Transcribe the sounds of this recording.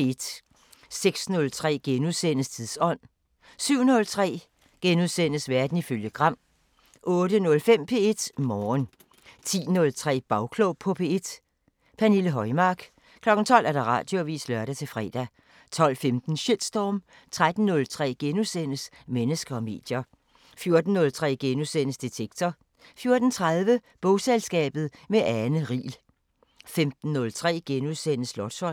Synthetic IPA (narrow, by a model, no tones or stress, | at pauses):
ed̥ | seɡ̥snɔ̽lt͡sʰʁɛ̰ːɡ̥enuðˠsen̰əst͡sʰiðˠsɒ̽n̰ | syʊ̰nɔ̽lt͡sʰʁɛ̰ː | ɡ̥enuðˠsen̰əsʋæɐd̥n̩iføljəɡ̥ʁɑ̈m̰ | ʔɔ̽ːɾənɔ̽lfem̰pʰe̝e̝d̥mɒːn | t͡sʰḭːnɔ̽lt͡sʰʁɛ̰ːb̥ɑ̈ʊkʰloʊpʰɒ̽pʰe̝ːed̥ | pʰæniləɦɒ̽ɪmɑ̈ɡ̥ | kʰlɒ̽ɡ̥n̩t͡sʰɒ̽l̰æɐɾ̥ɑ̈ʁɑ̰̈ːd̥jo̝ʋḭːslœɐɾæt͡sʰe̝lfʁɛ̰ːd̥æ | t͡sʰɒ̽l̰femd̥n̩ɕed̥sd̥ɒːm | t͡sʰʁad̥n̩nɔ̽lt͡sʰʁɛ̰ːɡ̥enusen̰əs | menəsɡ̥ɐɒ̽me̝̰ːd̥jɐ | fjo̝ɐd̥n̩ːɔ̽lt͡sʰʁɛ̰ːɡ̥enusenəsd̥it͡sʰeɡ̥̚t͡sʰɒ | fjo̝ɐd̥n̩t͡sʰʁað̞ˠʋəb̥ɔʊselsɡ̥ɛ̰ːb̥ð̞̩ˠmeʔænəʁḭːl | femd̥n̩ːɔ̽lt͡sʰʁɛ̰ːɡ̥enuðˠsen̰əslɒd̥sɒ̽